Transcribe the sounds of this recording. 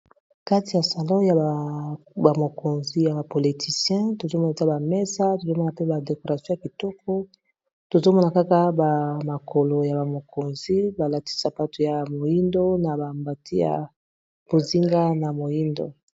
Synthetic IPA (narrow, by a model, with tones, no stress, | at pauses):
ka˦ti˨ja˨sa˨lɔ̃˦ja˨ | ba˨mo˨ko˨nzi˦ja˨ba˨po˨li˨tʰi˨sjɛ̃˦to˨zo˦mɔ˦na˨e˨za˦ba˨mɛ˦sa˦to˨zo˦mɔ˦na˨pe˦ba˨de˨ko˨ʁa˨sjɔ̃˦ja˨ki˨tɔ˦k̚ʰɔ˦ | to˨zo˦mɔ˦na˨ka˦ka˦ba˨ma˨kʰo˨lo˨ja˨ba˨mo˨ko˨nzi˦ba˨la˨ti̥˦sa˦pa˦to˨ja˨mo˨ji˦ndo˦na˨ba˨mba˨tʰi˦ja̰˨ | bo˨zi˦ŋɡa˦na˨mo˨ji˦ndo̰˦